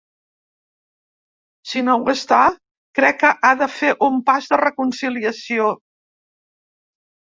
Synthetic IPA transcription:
sinowɣəst̪a | kɾɛkːəʔaðəfeʔumpazðərəkunsiliəsio

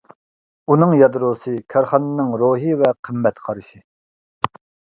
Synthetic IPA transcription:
unɨŋjɑd̪ɾoːsɨkʲʰɑɾχɑnɨnɨŋɾoːɦɨvɛqʰəmːɛt̪qʰɑɾɨʃi

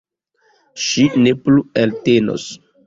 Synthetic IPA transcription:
ʃinepluelteno̰s

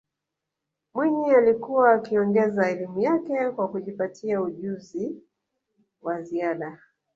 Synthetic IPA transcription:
mwiɲialikuwaːkiɔŋɡɛzaɛlimujakɛkwakuʄipatʰiauʄuzi | waziaɗa

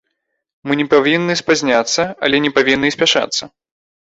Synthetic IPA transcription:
mɨnʲɛpavʲinːɨspazʲnʲat̪sːɐa̰lʲɛnʲɛpavʲinːɨsʲpʲaʂa̰t̪sːɐ

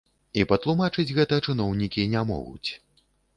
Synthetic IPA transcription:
ipɐt̪lˠumat͡ʂɨd͡zʲɣɛt̪ɐt͡ʂɨnɔwnʲikʲinʲɛmɔ̰ɣṵt͡sʲ

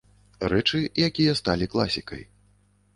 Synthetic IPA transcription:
rɛt͡ʂɨjakʲijɐst̪alʲiklˠasʲikɐ̰j

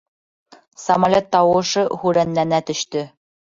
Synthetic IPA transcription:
sɐmɐlʲot̪ːɑwɤ̆ʃɤhʉɾænːænæt̪ɵ̆ʃt̪ɵ

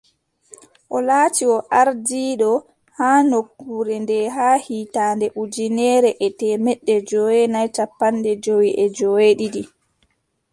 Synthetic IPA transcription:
ʔɔlaːtiwɔʔaɾdiːɗɔ | haːnokːuɾɛndɛɦaːhiːtaːndɛʔud͡ʒinɛɾɛʔɛtɛmɛɗːɛd͡ʒowɛnajtapːandɛd͡ʒowiʔɛd͡ʒoweɗiɗi

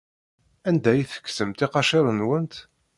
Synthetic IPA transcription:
ænd̪æjiθə̥kːsəmt̪ɪqɑʃɪɾˤənwənt̪

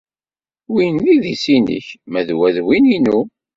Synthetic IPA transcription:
winliðisinə̰çmæðwæðwininu

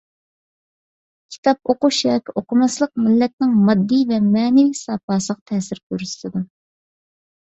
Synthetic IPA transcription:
kʲʰi̥t̪ʰɑp̚oquʃɛkʲoqʊmɑslˠəq̚mɪlːɛt̪̚nɪŋmɑd̪ːivɛmɛːnɛvisɑːpɑːsəʁɑt̪ʰɛːsɪɾk̪ʰyɾysɨd̪u

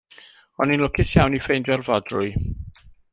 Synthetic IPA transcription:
ɔninlˠʊkʰɪsjawnifejndɔrvɔdrʊɨ

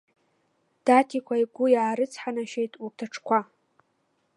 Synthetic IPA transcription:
d̥atʰikʷʰaiɡʷʊjaːɾɨt͡sʰħanaʃejtʼurtʰaʈ͡ʂʰkʷʰa

